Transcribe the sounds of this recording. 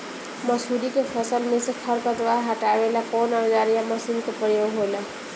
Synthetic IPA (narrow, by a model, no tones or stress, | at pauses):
məsuɾikepʰəsəlmẽsekʰəɾkəd̪ʋaaɦaʈaʋelakɔnad͡ʒaɾijaməsinkopɾəjoɡɦola